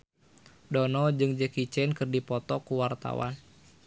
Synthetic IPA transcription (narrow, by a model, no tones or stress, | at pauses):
dɔnɔd͡ʒɨŋd͡ʒəkit͡ʃɛnkɨrdipɔt̪ɔkuwart̪a̰wa̰n